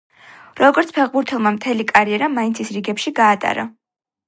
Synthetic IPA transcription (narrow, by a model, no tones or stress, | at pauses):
ɾɔɡɔɾt̪sʰpʰɛʁbuɾt̪ʰɛlˠmamt̪ʰɛlikʼaɾiɛɾamaintsʰisɾiɡɛpʃiɡaːt̪ʼa̰ɾa̰